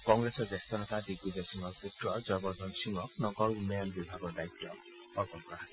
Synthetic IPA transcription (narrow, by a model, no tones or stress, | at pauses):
kɔŋɡɹesɔɹzest̪ɔnɔt̪adiɡbuzasiŋɔɹputɹɔzɔjbɔɹd̪ʱɔnsiŋɔknɔɡɔɹunɔjanbibʱaɡɔɹdait̪ːɔ | pɔɹbɔmkɔɹasɛ